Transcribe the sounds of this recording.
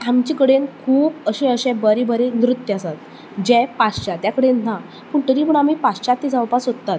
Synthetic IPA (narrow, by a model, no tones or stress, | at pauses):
amt͡ɕikəɽenkʰuːpəɕẽəɕɛ̃bəɾebəɾenɾut̪jəasat̪̚ | d͡ʑɛ̃past͡ɕat̪jakəɽenna | puɳt̪əɾipəɳamiːpast͡ɕat̪ːid͡zawpasɦot̪ːat̪